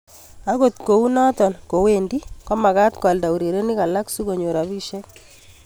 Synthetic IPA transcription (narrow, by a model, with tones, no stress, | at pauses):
a˦ɣo˦˨t̪ko˨u˦na˦tɔ˨nko˨we˦˨ndi˦kɔ˦ma˨ka˦t̪ka˨lda˨wu˨ɾe˨ɾe˦ni˦ka˨la˦ksu˦ko˨ɲo˨ɾa˨bi˦ʃɛ˦k